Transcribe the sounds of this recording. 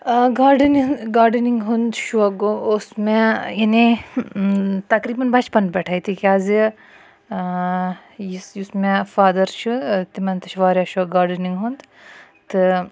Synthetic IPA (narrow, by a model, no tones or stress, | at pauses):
ɡaːɾɖɐniŋɡaːɾɖəniŋɡɦund̪ʃuɐɡoosmejɐni | t̪ɐkɾiːbɐnbɐt͡ʃpɐnbɛʈʰait̪ʰikʲaːzi | jisjusmẽfaːd̪ɐɾt͡ʃʰut̪imɐnt̪ɐʃʰʋaːɾjaʃuɐɡaːɾɖəniŋɡɦund̪ | t̪ɨ